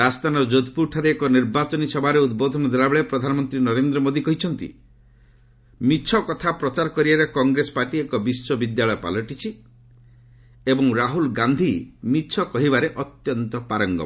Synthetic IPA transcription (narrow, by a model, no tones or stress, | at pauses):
ast̪ʰanɔd͡ʒod̪ʱpuɾʈʰaɾeːkɔniɾbat͡ʃɔnisɔbʱaɾeud̪bod̪ʱɔnɔd̪ʱɾabɔɭepɾɔd̪ʱanɔmɔnt̪ɾinɔɾend̪ɾɔmod̪ikɔɦit͡ʃʰɔnt̪ḭ | mit͡ʃʰɔkɔt̪ʰapɾɔt͡ʃaɾɔkɔɾiaɾekɔŋɡɾesɔ̥paʈiekɔbiswɔbid̪jaɭɔjɔpa̰lɔʈit͡ʃʰi | ebɔŋɾaɦulɡand̪ʱimit͡ʃʰɔkɔɦibaɾeʔɔt̪jɔnt̪ɔpaɾɔŋɡɔ̰